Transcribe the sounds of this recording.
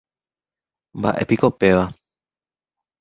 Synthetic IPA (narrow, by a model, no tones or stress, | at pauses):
mba̰ʔe̞̰piko̞pe̞ʋa